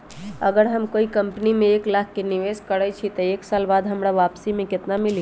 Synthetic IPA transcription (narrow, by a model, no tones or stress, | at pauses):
əɡəɾɦəmkoikəmpnimeːklakʰːeniʋeskəɾɛt͡ʃʰit̪əeksalbad̪ʱɦəmɾaʋapsimeket̪namili